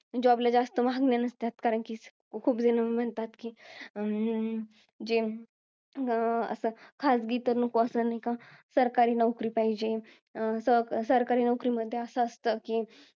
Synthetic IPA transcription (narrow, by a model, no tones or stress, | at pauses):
d͡ʑɔblad͡zast̪əmaɡnjanəst̪at̪kaɾəɳki | kʰuːbd͡zenəm̤ənt̪at̪ki | d͡ʒe | ə̰səkʰasɡiːt̪əɾnəkoəsənikãsəɾkaɾinəwkɾipaid͡ʑe | səsəɾkaɾinəwkɾiməd̪ʱːjeəsəːst̪əki